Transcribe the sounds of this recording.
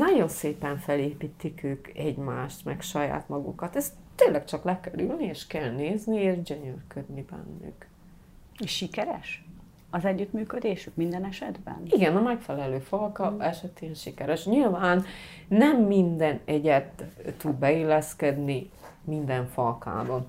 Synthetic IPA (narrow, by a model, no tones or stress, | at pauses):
nɒɟo̞nseːpɛɱfɛleːpit̪ːikøːkɛɟmaːʃt̪mɛ̰kʃɒja̰ːt̪mɒɡṵkɒt̪ɛst | t̪ːeːnlɛkt͡ʃɒklɛkɛlylnieːʃkɛlneːznieːʒɟøɲørkød̪nibɛ̰nːy̰k | eʃʃikɛɾɛ̰ʃ | ɒzɛɟːyt̪myːkød̪eːʃyk̚mind̪ɛnɛʃɛd̪bɛ̰niɡɛnɒmɛkfɛlɛløːfɒlkɒɛʃɛt̪eːnʃikɛɾɛʃɲilvaːnː | ɛmːind̪ɛnɛɟɛt̪ːud̪bɛeːlɛskɛd̪nimind̪ɛɱfɒlka̰ːbɒn